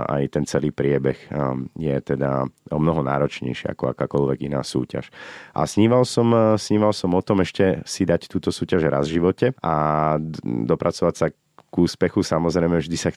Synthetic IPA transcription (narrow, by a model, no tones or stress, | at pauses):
a̰jt̪ɛnt͡sɛliːpɾɪɛbɛɣjɛt̪ɛd̪a̰ɔmnɔɦɔna̰ːɾɔt͡ʃɲɛ̰jʃɪɛ̰a̰kɔa̰kaːkɔlʋɛɡina̰ːsṵːca̰ʃʔa̰sɲiːʋalsɔmsɲiːʋalsɔmɔt̪ɔmɛʃcɛsid̪act̪uːt̪ɔsuːcaʒɾa̰zvʒiʋɔcɛa | d̪ɔpɾat͡sɔʋacsa | ɡ̥uːspɛxusamɔzɾɛɪmɛvʒd̪isax